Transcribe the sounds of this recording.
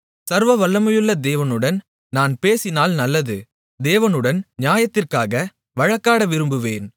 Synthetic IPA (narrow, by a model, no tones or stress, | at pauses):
sɐɾʋɐʋɐlːɐmɐjɯlːɐd̪eːʋɐnɯɽɐn | naːnpeːsɪnaːlnɐlːɐðɯ | d̪eːʋɐnɯɽɐnnɪjaːjɐt̪ːɪrkaːɣɐ | ʋɐɻɐkːaːɽɐʋɪɾɯmbɯʋeːn